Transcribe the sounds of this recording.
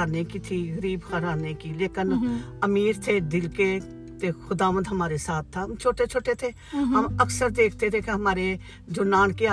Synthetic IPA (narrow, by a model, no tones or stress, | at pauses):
aːnekit̪ʰiɣəɾiːbxəɾaːnekileːkɪnɐmiːɾt̪ʰed̪ɪlke | t̪exʊd̪aːʋə̃nd̪ɦɐmaːɾesaːt̪ʰːaɦɐmt͡ʃʰoːʈet͡ʃʰoːʈet̪ʰe | ɦɐmɐksəɾd̪eːkʰt̪et̪ʰekeɦɐmaːɾe | d͡ʒoːnaːnkea